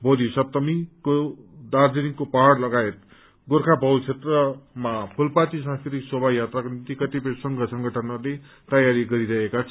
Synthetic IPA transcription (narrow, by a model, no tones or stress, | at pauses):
bʱod̪isʌpt̪ʌmikod̪ard͡ziniŋkopaɦaɽlʌɡaet̪̚ | ɡorkʰabʱʌwt͡sʰet̪rʌmapʰulpat̪isãskʰiɾiksobʱajat̪rakonit̪ikʌt̪ipʌjsʌŋɡʌsʌŋɡʌʈʰʌnʌle | t̪ʌjaɾiɡʌɾiɾʌɦekat͡sʰʌ